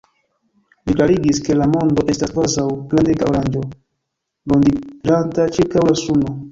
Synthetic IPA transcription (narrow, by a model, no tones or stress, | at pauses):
liklaɾiɡiske̞lamo̞ndo̞ʔe̞staskvazawklandeɡa̰oɾand͡ʒo̞ | londilantat͡ʃiɾkawlasuno